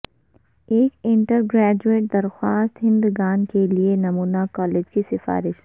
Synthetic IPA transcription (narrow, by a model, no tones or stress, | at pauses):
eːkɪ̃ɳʈəɾɡɾɛːd͡ʒueːʈ̚d̪ɐɾxwaːst̪ɦɪ̃nd̪ɡaːnkelienɐmuːnakɔːleːd͡ʒkisɪfa̰ːɾɪʃ